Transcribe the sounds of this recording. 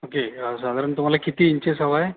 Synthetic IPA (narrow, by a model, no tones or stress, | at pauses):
okeəsad̪ʱaɾəɳt̪um̤alakit̪iːɲt͡ɕesəʋaje